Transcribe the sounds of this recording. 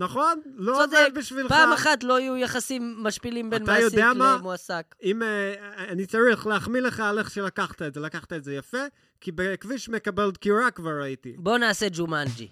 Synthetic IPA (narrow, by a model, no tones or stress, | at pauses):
naχo̞nlosovebiʃvilpaːmaχat̪lo̞ajujaχasimːaʃpilimbaenmajoiamamoasakimeaanit͡saʁiχleaχmileχaːleχʃelakaχt̪aetzelakaχt̪aetzejafe | kibekviʃmekabeldkiʁakvaʁaitibo̞naːse̞d͡ʒumand͡ʒḭ